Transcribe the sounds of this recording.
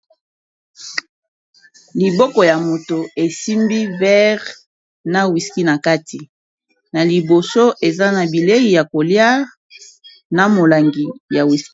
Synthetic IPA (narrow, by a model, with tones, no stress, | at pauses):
li˨bɔ˦kɔ˨ja˨mo˨to˨e˨si˦mbi˦vɛ˦ʁ | na˦wi˨ski˦na˨ka˦ti˨ | na˨li˨bo˨so˦ʔe˨za˦na˨bi˨le˦i˨ja˨ko˨lja˦ʁ | na˨mo˨la˨ŋɡi˨ja˨wi˨s